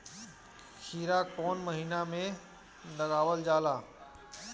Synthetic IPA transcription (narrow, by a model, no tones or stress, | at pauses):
kʰiːɾakɔːnməɦiːnamẽ | ləɣaːʋəld͡ʒaːlaː